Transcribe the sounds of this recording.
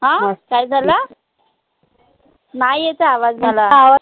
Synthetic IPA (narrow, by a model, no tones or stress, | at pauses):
ɦãkajd͡zʱala | najet͡saːʋad͡zmalaaʋa